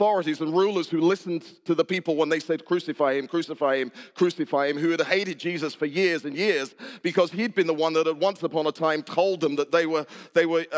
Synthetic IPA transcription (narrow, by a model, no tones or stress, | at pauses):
θɔɹɨɾizə̃nɹulˠə˞z̥hʉlɪsn̩tʰɨðəpipl̩ˠwə̃nðeɪseɪd̚kʰɹ̥ʉsɨfaɪɨ̃mkʰɹ̥ʉsɨfaɪɨ̃mkʰɹ̥ʉsɨfaɪɨ̃mɦʉɨd̚heɪɾɨd̚d͡ʒizɨsfə˞jɪɹzɨ̃njɪɹz̥b̥ɨkʰʌz̥id̚bɨ̃nðəwʌ̃nðəɾət̚wʌ̃nsəpʰɑ̃nətʰãɪ̃mtʰoʊlˠd̪̚ðə̃mðət̪̚ðeɪwə˞ðeɪwə˞